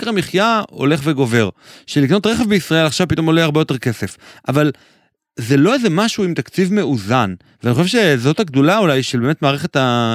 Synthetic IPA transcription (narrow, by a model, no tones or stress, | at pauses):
kʁamiχjao̞̰leχveɡo̞ve̞ʁʃelikno̞t̪ʁeχevbeisʁae̞laχʃav̥pit̪o̞moleaʁbejoteʁke̞se̞fʔaval | zelo̞ezemaʃuimt̪akt͡sivme̞uzan | veaniχoʃevʃe̞zo̞t̪aɡd̪ulaulajʃelbeːmet̪maːʁeχe̞t̪a